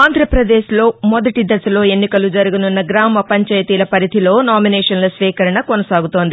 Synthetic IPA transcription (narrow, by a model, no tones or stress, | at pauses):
aːnd̪ʱɾɐpɾɐd̪eːʃlo̞ːmɔd̪ɐʈid̪ɐsɐlo̞ːe̞nːikɐlud͡ʒɐɾuɡununːɐɡɾaːmɐpɐɲt͡ʃɐjɐt̪iːlɐpɐɾit̪ilo̞ːnaːminɛːʂɐnlɐsʋiːkɐɾɐɳɐkonɐsaːɡut̪o̞ːnd̪i